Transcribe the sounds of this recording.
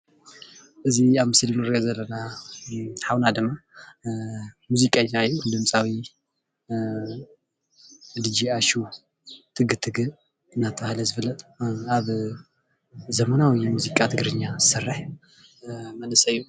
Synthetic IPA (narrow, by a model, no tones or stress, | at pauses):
ʔɨziaβmɨsɨlmɨɾijozɐlːɐna | ħawnad̪ɨmːa | muzikʼɐɲːaɨjːud̪ɨmsʼawi | d̪ɨd͡ʒiaʃu | t̪ʰɨɡɨt̪ʰɨɡɨ | ɨnːat̪ʰɐβahlɐzɨfɨlːɐt̪ʼaβ | zɐmɐnawimuzikʼat̪ʰɨɡɾɨɲːazɨsɨrːɨħ | mɐnɨsɐɨjːu